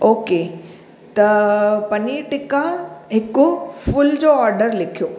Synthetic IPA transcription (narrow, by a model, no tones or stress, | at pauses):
oːke | t̪ɐpɐniʈɪkãɦɪkʊfʊld͡ʑoːɔːɾɖəɾlɪkʰijoː